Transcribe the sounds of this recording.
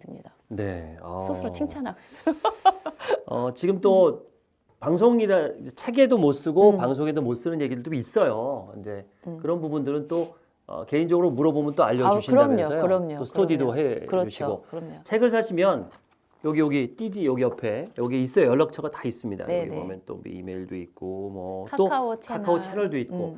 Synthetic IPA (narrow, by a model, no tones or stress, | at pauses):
ɯmɲida | ne̞̰ʌ̰osɯɾot͡ɕʰiŋt͡ɕʰanaɡoes͈j | ʌ̰t͡ɕiɡɯmt͈o | paŋs̬ʰoŋiɾaid͡ʑet͡ɕʰe̞ɡe̞domos͈ɯɡopaŋs̬ʰoŋe̞domos͈ɯnɯnje̞ɡidɯɭt͈ois͈ʌjoind͡ʑe̞ | kɯɾʌnbubundɯɾɯnt͈o | ʌ̰ke̞ind͡ʑʌɡɯɾomuɾʌbomjɯnt͈oaʎːʌd͡ʑuɕʰinʌʌjoɾɲoosʰtʰodidoɦeɯuɕt͡ɕɕʰiɡo̰t͡ɕʰe̞ɡɯɭsʰaɕʰimjʌn | jʌɡioɡit͈id͡ʑijʌɡiʌpʰe̞jʌɡieis͈ʌjojʌɭːak̚t͡ɕʰʌɡatḁis͈ɯmɲida̰jʌ̰ɡḛbʌ̰mjʌnt͈o̰m̰ḭme̞iɭdoit̚k͈omʌt͈okʰakkʰaot͡ɕʰeɾʌɭdoit̚k͈o